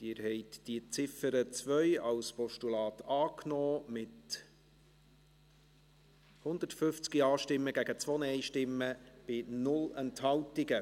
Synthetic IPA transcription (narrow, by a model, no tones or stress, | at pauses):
d̥iːɾhɛɪtd̥it͡sɪfəɾət͡svœʏɑlspɔʃtulɑːtɑːknɔːmɪt | hʊnd̪ətfʏft͡skiɑːʃtɪmːəɡæɡət͡svoːnəɛɪʃtɪmːəb̥ɪnʊlɛnthɑwtɪɡə